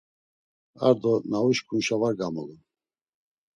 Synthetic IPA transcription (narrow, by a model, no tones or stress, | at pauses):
a̰ɾd̪ɔnauʃkʰunʃavaɾɡamulun